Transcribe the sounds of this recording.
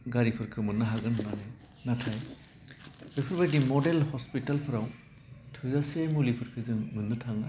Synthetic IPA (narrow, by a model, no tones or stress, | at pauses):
ɡaɾipʰɯɾkʰɯmɯnːaɦaɡɯnːanɯ | natʰaj | bɯpʰɯɾbajdimɔdelhɔspitalpʰɯɾaw | tʰɯzasemulipʰɯɾkʰɯzɯŋmɯnːɯtʰaŋa